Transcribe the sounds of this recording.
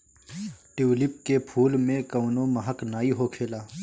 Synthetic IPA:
ʈɪwlɪp̚kepʰuːlmẽkəwnoməɦəknaːiɦokʰeːlaː

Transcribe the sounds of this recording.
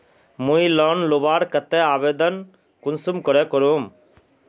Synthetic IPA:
mũilɔnlubaːɽkɐt̪eaːbeːd̪ən | kunsumkɔɾekɔɾuːm

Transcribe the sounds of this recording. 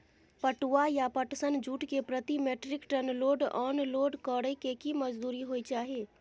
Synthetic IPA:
pəʈuajapəʈsənd͡ʒʱuːʈkepɾət̪imeːʈɾɪkʈənloːɖɔːnloːɖkɔːɽekekiməd͡ʒd̪uːɾiɦoːit͡ʃaːɦe

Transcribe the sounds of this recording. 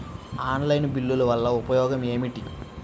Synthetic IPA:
aːnlɐjnbilːulɐʋɐlːɐupɐjɔːɡɐme̞ːmiʈi

